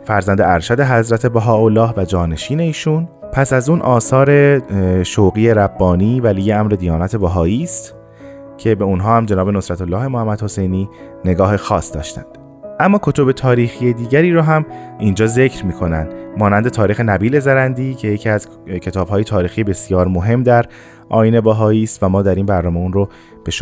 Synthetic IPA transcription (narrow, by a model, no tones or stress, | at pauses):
fæɾzænd̪eæɾʃæd̪e̞ɦæzɾæt̪ʰe̞bæɦɒːolːɒːɦvæd͡ʒɒːne̞ʃiːne̞iːʃunpʰæsæzuːnʔɒːsɒːɾe̞ʃowɣiːe̞ɾæbːɒːniːvælijeæmɾe̞d̪ijɒːnæt̪ʰe̞bæɦɒːiːst̪ | cʰe̞be̞unɦɒːhæmd͡ʒe̞nɒːbe̞no̞sɾæt̪ʰolːɒːhe̞mohæmːæd̪ho̞se̞jniː | ne̞ɡɒːhe̞xɒːsd̪̥ɒ̰ːʃt̪æ̰nd̪̥ | ʔæmːɒːkʰo̞t̪ʰo̞be̞t̪ʰɒːɾiːxije̞d̪iːɟæɾiːɾoɦæmiːnd͡ʒɒːze̞cʰɾmiːkʰo̞nænd̪̥mɒːnænd̪e̞t̪ʰɒːɾiːxe̞næbiːle̞zæɾænd̪iːcʰe̞jecʰiːæz̥ | cʰe̞t̪ʰɒːb̥ɦɒːje̞t̪ʰɒːɾiːxiːjebe̞sjɒːɾmoɦe̞mːd̪æɾ | ʔɒːjiːne̞bæɦɒːiːst̪væmɒːd̪æɾiːnbæɾnɒːmeunro | b̥eʃ